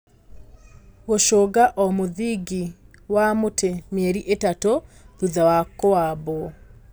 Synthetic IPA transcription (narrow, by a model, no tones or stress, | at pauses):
woʃoɡaʔɔmuðiɡi | wamotemjeɾiʔetatoðuzawakoabo